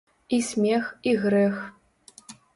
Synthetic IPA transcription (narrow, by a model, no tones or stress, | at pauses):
isʲmʲexiɣɾɛx